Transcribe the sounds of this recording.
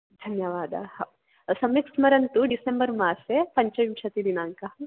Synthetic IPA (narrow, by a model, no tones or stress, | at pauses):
d̪ʱɐnjɐʋaːd̪ɐ̰h | sɐmjiksmɐɾɐnt̪uɖisembɐɾmaːsepɐɲt͡ʃɐʋimʂɐt̪id̪inaːŋkɐ